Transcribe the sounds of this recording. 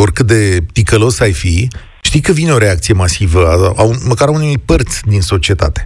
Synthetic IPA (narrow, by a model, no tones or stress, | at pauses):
o̞rkɨt̪̚d̪e̞t̪ikəlo̞sajfi | ʃt̪ikəvineo̞ɾe̞ak̚t̪sije̞masivəaauməkaɾaunejpərt̪sʲd̪inso̞t͡ʃie̞t̪a̰t̪e̥